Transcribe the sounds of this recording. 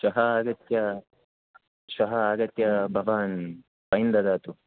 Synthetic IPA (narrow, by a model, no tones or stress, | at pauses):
ʃɐɦɐaːɡɐt̪jɐ | ʃɐɦɐaːɡɐt̪jɐbʱɐʋaːn | pɐjind̪ɐd̪aːt̪u